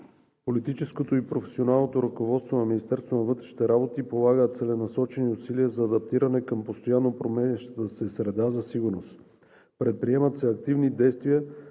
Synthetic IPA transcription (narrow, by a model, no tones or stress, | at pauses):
polit̪it͡ʃɛskot̪oipɾofɛsionalˠnot̪oɾəkovɔt̪st̪vonɐminist̪ɛɾst̪vonɐvɤt̪ɾɛʃni̥t̪ɛɾabot̪ipolˠaɡət̪sɛlɛnɐsɔt͡ʃɛniʊsiliəzɐːd̪ɐp̚t̪iɾɐnɛkəmpost̪ojanːopɾomɛnʲiʃt̪t̪əsɛsɾɛd̪azɐsiɡʊɾnos | pɾɛt̪̚pɾiɛmət̪sɛɐk̚t̪ivnid̪ɛjst̪viə